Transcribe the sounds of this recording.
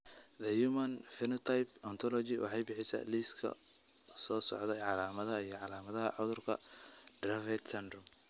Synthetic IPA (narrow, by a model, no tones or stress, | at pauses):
ðɐjumɐnfɪnɔt̪ʰajpɔnt̪ʰɔlɔt͡ʃɪwʔɑ̰ħɑjbɪħɪsɐ̰liːskʰɐ̰ | sɔːsɔ̰ʕd̪ɛjʕɑlaːmɐðɐijɞʕɑlaːmɐðɐɦɐ̰ʕʊðʊrkʰɐ̰d̥rafɛt̪sɛnd̪rʊm